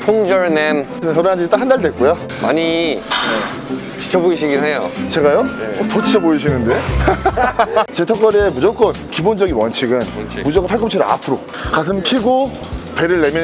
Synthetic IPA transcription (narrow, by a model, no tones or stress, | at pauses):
pʰoŋd͡ʑʌɾnem | mnsʰʌɾonand͡ʑiit͈akhandaɭdwe̞k͈oja | ma̰ɲi | t͡ɕi̥t͡ɕʰʌboiɕ̬ʰiɡinɦejot͡ɕe̞ɡajotot͡ɕit͡ɕʰʌboiɕ̬ʰinɯnde̞ | t͡ɕe̞tʰʌk͈ʌɾemud͡ʑok͈ʌnkibond͡ʑʌɡinwʌnt͡ɕʰiɡɯnmud͡ʑʌɡɯpʰaɭkʰʌmt͡ɕʰuɾɯa̰pʰɯɾo | kas̬ʰɯmpʰiɡo | pe̞ɾɯɭːe̞mjʌ